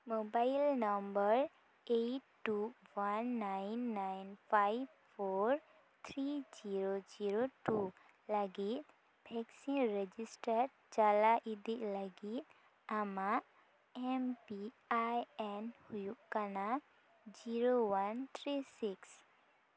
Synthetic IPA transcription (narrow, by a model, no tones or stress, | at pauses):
mobailnəmbəɾ | eʈːuwanːanːajnfʰajb | foɾ | t̪ʰɾid͡ʒiɾod͡ʒiɾoʈu | laɡit̪̚ | bʱɛksinɾed͡ʒisʈəɾ | t͡ʃalaʔid̪iʔləɡit̪̚ | ama | empi | ajɛnhujuʔkana | d͡ʒiɾowant̪ʰɾisiks